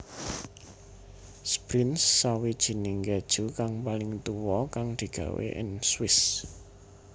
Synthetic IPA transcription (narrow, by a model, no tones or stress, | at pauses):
spɾɪnsːawid̥ʒ̥i̤nɪŋked̥ʒ̥ukaŋpalɪŋt̪uwɔkaŋd̪̥i̤ɡ̥ä̤̰wḛʔɪ̰nswɪs